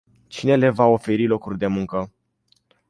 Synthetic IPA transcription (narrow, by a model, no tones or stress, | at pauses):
t͡ʃine̞le̞vao̞fe̞ɾilo̞kurʲd̪e̞muŋkə